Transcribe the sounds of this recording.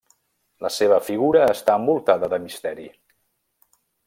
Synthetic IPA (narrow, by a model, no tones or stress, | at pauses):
ləseβ̞əfiɣuɾəːst̪aəmbulˠt̪aðəðəmist̪ɛɾḭ